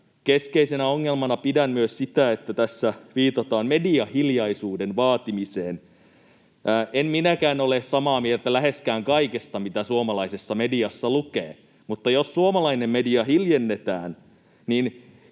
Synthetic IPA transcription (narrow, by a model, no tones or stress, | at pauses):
keskeisenæoŋːelmɑnɑpidæmmyøssit̪æet̪ːæt̪æsːæʋiːt̪ɑt̪ɑːmmediɑhiljɑisuːdenʋɑːt̪imiseːn | ʔæːʔemminækæːnolessɑmɑːmielt̪ælæɦeskæːŋkɑikest̪ɑmit̪æsuomɑlɑisesːɑmediɑsːɑlukḛː | mut̪ːɑjossuomɑlɑinemmediɑhiljenːet̪æːn | nin